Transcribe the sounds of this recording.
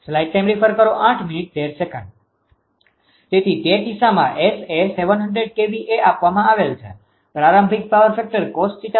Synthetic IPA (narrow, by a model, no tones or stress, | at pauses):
slaiʈːajmɾipʰəɾkəɾoʔãʈʰminiʈ̚d̪eɾsekə̰̃ɳɖ | t̪et̪ʰidedisamã̰ʔeseseʋənɦəɳɖɾeɖ̚kebiʔeapʋamãaʋelt͡ʃʰḛ | pɾaɾəmbʱik̚paʋəɾfɛk̚ʈəɾkɔsʈsiʈ